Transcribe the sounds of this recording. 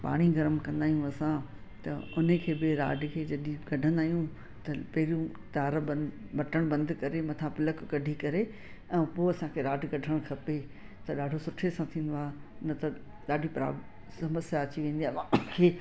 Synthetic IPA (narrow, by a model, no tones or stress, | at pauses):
pa̰ːɽ̃iɡɐɾəmkɐ̃nd̪aːɦijũɐsã | t̪ɐʊn̤əkʰeːbɪɾa̰ːɖʱɪkʰeːd͡ʑɐɗĩɡɐɖʱə̃nd̪aːɦijũ | t̪ɐpɐɦɪɾijũ | t̪aːɾbɐ | bɐʈəɽ̃bɐ̃nd̪kɐɾemɐt̪ʰãpɪləkkɐɖʱikɐɾe | ɛ̃ːpoːɐsãkʰeːɾaːɖʱɪɡɐɖʱəɽ̃kʰɐpet̪ɐɗaːɖʱosʊʈʰesãt̪ʰĩːnd̪oaːɦenɐt̪ɐ | ɗaːɖʱipɾa̰ː | sɐməsjaːt͡ɕiʋẽːn̆d̪iaːʋãkʰeː